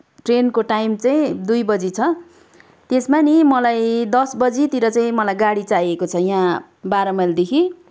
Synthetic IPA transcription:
ʈrenkoʈajmt͡saj̃d̪ujbʌd͡zit͡sʰʌ | t̪esmanimʌlajd̪ʌsbʌd͡zit̪iɾʌt͡saĩmʌlajɡaɽit͡sajekot͡sʰʌjã | baɾʌmʌld̪ekʰi

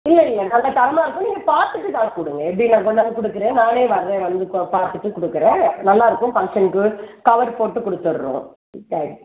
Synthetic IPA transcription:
ɪlːɛɪlːɐnɐlːɐt̪ɐɾɐmaːɾɯkːʊ̃niːŋɡɐpaːɾt̪ɯʈːɯt̪ãːkʊɽɯŋɡɐɛpːɽinãːkɔɳːaːnɡ̪ɯkʊɽɯkːɯɾẽːnaːneːʋɐɾðẽʋɐnd̪ɯpaːɾt̪ɯʈːɯkʊɽɯkːɯɾẽːnɐlːaːɪɾɯkːʊ̃fɐŋkʂɐnkɯkɐʋɐɾpoːʈːɯkɔɽɯt̪ːɯɾːõ̰ː | t̪ːɛːi

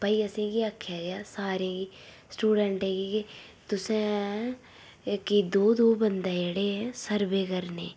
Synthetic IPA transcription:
pəiːəsẽːɡiːakʰːjaːɡeaːsaːɾẽːɡiː | sʈuːɖɛɳʈɛ̃ːɡike | t̪ʊsẽː | kid̪oːd̪oːbənd̪ãːeɽeːɦɛ̃ːsəɾbeːkəɾnḛː

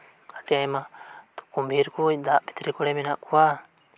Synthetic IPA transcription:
aʈiaɛmat̪ɔ̥kumbʱiɾkud̪aʔbi̥t̪ɾikɔɽɛmɛnaʔkuwa

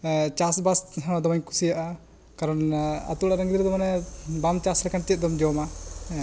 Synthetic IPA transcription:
t͡ʃasbasɦd̪ɔmaɲku̥sijaʔa | kaɾɔna̰t̪ulaɾaŋɡid̪iɾd̪ɔmanɛbamt͡ʃaslɛkant̪it̪̚d̪ɔmd͡ʒɔma

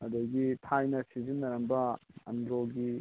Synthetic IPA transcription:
ɐd̪ɐɡitʰajnɐsizinːɐɾɐmbɐɐ̰ndɾoɡi

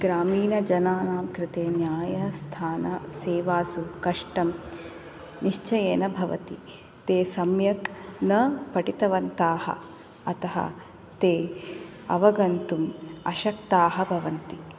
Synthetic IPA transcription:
ɡɾaːmiːnɐd͡ʒɐnaːnaːmkɾɪt̪eːnjaːjɐst̪ʰaːnɐseːʋaːsukɐʂʈɐm | niʃt͡ʃɐjeːnɐbʱɐʋɐ̰t̪i | t̪eːsɐmjɐknɐpɐʈit̪ɐʋɐnt̪aːhɐ̰ | ɐt̪ɐɦɐ̰ | t̪eː | ɐ̰ʋɐɡɐnt̪umɐʃɐkt̪aːɦɐbʱɐʋɐnt̪i

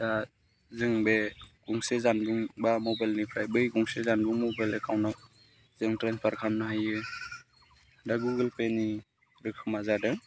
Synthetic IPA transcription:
da | zɯŋbekuŋsezanbuŋbamɔbajlnipʰɾajbɯjɡuŋsezanbuŋmɔbajlekʰawnaw | z̥ɯŋtɾenspʰaɾkʰamnaɦajɯ | daɡuɡɯlpeni | ɾɯkʰɯmazadɯŋ

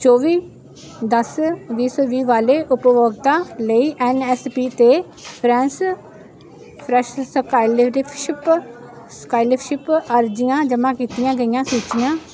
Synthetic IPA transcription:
t͡ʃoːʋiː | d̪əsʋiːsoːʋiːʋaːleːʔʊpʋoːɡt̪ãːləiːʔɛːnɛːspiːt̪eː | pʰɾɛ̃ːns | pʰɾɛːʃskaːilɾɪpʰʃɪp | skaːɪlɪpʰʃɪpəɾd͡ʒɪjãːd͡ʒəmãːkiːt̪ɪjãːɡəijãːsuːt͡ʃɪjãː

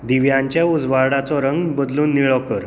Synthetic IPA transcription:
d̪iʋjãɲt͡ɕjaud͡zʋaɾɽat͡sɔɾəŋɡbəd̪luːnːiɭɔkəɾ

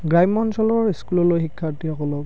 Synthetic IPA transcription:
ɡɹajmɔnsɔlɔɹiskulɔlojxikʰːaɹtiɦɔkɔlɔk

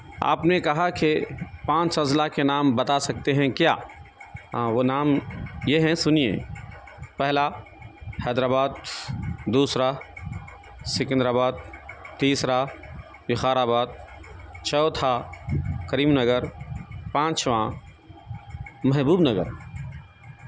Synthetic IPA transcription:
a̰ːpnekɐɦakepãːt͡ʃsɐzlakenaːmbɐt̪asɐk̚t̪eɦɛ̃kja̰ːɦãːʋonaːmjeɦɛ̃sʊnijḛ | pɛɦla | hɛːd̪ɾaːbaːd̪ | d̪uːsɾa | sɪknd̪ɾaːbaːd̪̚t̪iːsɾa | bɪxaːɾaːbaːd̪̚t͡ʃɔːt̪ʰa | kɐɾiːmnɐɡəɾpãːt͡ʃʋã | mɛɦbuːbnɐɡə̰ɾ

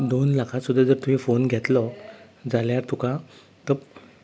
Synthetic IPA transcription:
d̪onlakʰãt̪sud̪ʱːjad͡zəɾt̪uɦẽfonɡʱjɛt̪lɔ | d͡zaljaɾt̪ukã | t̪ə

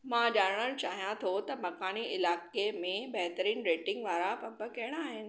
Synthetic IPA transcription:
mãːʄaːɽɽ̃əɾt͡ɕaːɦijãt̪ʰot̪ɐmɐkaːniʔɪlaːkemẽbɐɦt̪əɾiːnɾeːʈɪ̃ŋɡʋaːɾapɐbə̆kɐɪɽ̃aːɦɪnɪ̆

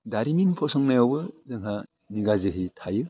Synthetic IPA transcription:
daɾiminpʰɔsɔŋnajawbɯzɯŋɦa | niɡazɯɦɯjtʰajɯ

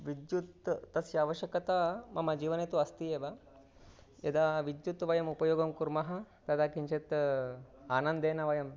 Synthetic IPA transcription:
ʋid̪jut̪ːɐsjaːʋɐʃɐkɐt̪amɐmɐd͡ʒiːʋɐnet̪uɐst̪ieːʋɐ | jɐ̰d̪aʋid̪jut̪ʋɐjɐmupɐjoːɡɐmkuɾmɐɦɐ̆ | t̪ɐd̪aːkint͡ʃʰet̪ | aːnɐnd̪eːnɐʋɐjɐm

